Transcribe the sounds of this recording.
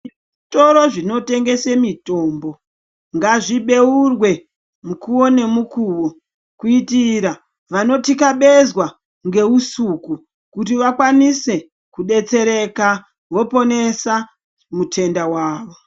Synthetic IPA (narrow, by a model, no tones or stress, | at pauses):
ito̞ɾo̞ʐino̞te̞ŋɡe̞se̞mito̞ːmbo̞ | ŋɡaʐiɓe̞urwe̞ | mukuwo̞ne̞mukuwo | kuitiɾa | ʋano̞tikaɓe̞zwa | ŋɡe̞usuku | kutiʋakwanise̞ | kuɗe̞t͡se̞ɾe̞ka | ʋo̞po̞ne̞sa | mutʰe̞ndawaːʋo